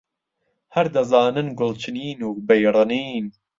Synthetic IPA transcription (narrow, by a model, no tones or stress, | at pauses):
hɐɾd̪ɐzaːnɨnɡʊlt͡ʃʰɨniːnuːbejɾˤɨniːn